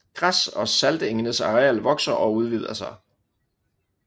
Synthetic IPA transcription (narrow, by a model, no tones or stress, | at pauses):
ɡ̥ʁasɒ̽sæld̥əeŋənəsɑ̈ʁɛælʋɒ̽ɡ̥sɐʔɒ̽uð̞ˠʋið̰ˠɐsɑ̈ɪ